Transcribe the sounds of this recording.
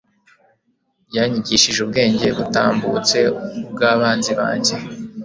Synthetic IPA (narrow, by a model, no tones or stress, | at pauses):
jaːɲiɟiʃiʒub̚ɡe̞ːɲɟe̞βuta̰ːmbut͡se̞ubɡaːβaːnziβa̰ːɲɟe